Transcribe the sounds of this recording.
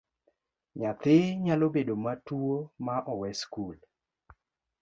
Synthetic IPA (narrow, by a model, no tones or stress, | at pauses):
ɲat̪ɪɲalobedomatuomaʔɔwɛskul